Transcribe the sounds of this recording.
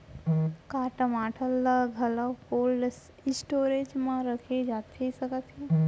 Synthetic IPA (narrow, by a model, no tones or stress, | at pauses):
kaʈəmaʈʰəlːəɡʱələpolɖs | sʈoɾed͡ʒmãɾəkʰed͡ʒat̪ʰːesəkət̪e